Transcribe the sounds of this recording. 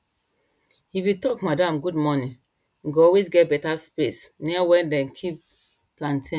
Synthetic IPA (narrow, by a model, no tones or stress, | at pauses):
hiwitɔkmadãmɡudmɔnĩ | ɡɔlwesɡɛt̚bɛtaspesniawɛ̃ndɛ̃nkʰip̚ | plãntʰĩn